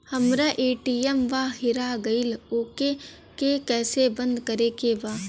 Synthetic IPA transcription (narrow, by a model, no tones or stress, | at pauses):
hɐmɾaʔeːʈiːɛmʋaɦɪɾaɡɐɪloːke | kekɛːsebə̃nd̪kɐɾekeʋaː